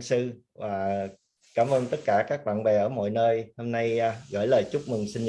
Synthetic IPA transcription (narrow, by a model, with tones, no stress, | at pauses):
sɨ˧ | vaː˨˩ | kaː˧˩mʔəː˧nt̪ə˦˥t̚kaː˧˩kaː˦˥k̚ɓa̰ː˧˨nɓɛ˨˩ʔəː˧˩˦mɔ̰˧˨jnəː˧jho˧mna˧jɣə̰ː˧˩jləː˨˩jt͡ɕʊ˦˥k͡p̚mɨ˨˩ŋsï˧n